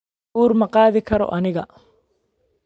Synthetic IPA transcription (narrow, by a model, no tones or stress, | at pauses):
uːrmɐqɑːðɪkʰɐɾɔ̰ʔɐnɪɣɐ